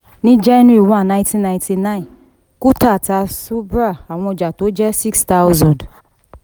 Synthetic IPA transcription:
nĩ˦d͡ʒɛ˦nũ˦i˦˨wã˦˨n˨nã˨˦tĩ˦nã˧ĩ˨ti˧nã˦ĩ˨ | ku˦ta˦˨ta˧su˦bɾa˦˨a˨w̃ɔ̃˧ɔ˨d͡ʒa˨to˨˦d͡ʒɛ˦si˦ksta˦wzɔ̃˨d

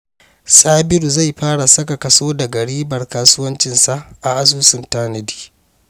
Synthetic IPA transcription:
sʼaː˦bɪ˦ɾu˨za˦˨jɸaː˦ɽa˨sɐ˦ka˨kɐ˨soː˦da˨ɡɐ˨ɽiː˦bɐ˨rkaː˦sʊ˦wɐ˦nt͡ʃɪ˨nsa˨ʔʔa˨ʔa˦suː˦sʊ˨ntaː˦nɐ˨di̥ː˨

